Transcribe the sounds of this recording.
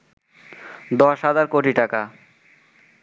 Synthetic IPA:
d̪ɔʃɦad͡ʑaɾkoʈiʈaka

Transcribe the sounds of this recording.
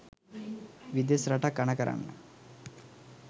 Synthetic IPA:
ʋid̪esɾɐʈakːɐɳɐkɐɾa̰nːə̰

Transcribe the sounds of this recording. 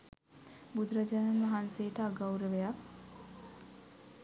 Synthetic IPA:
bud̪ɾad͡ʒaːnənʋaɦansejəʈəaɡawɾəʋejak

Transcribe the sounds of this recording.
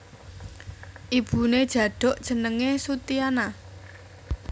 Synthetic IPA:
ʔib̥ṳned̥ʒ̥ä̤ɖ̥ɔ̤ʔd̥ʒ̥ə̤nəŋesut̪iana

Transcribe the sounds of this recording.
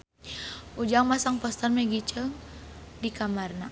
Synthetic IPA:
ʔud͡ʒaŋmasaŋpɔst̪ɔrmɛɡit͡ʃəŋdikamarna

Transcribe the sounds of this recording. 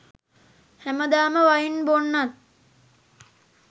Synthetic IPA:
hæməd̪aːməʋajinbonːat̪̚

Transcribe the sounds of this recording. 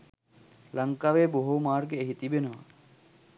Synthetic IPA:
lɐŋkaʋeːboɦomaːɾkeeɦit̪ibenaː

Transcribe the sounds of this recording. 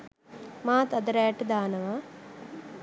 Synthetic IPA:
maːt̪ɐd̪ɐɾaːʈɐd̪aːnɐʋaː

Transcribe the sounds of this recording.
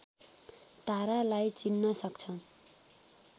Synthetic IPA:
t̪aɾalajt͡sinːʌsʌkt͡sʰʌ

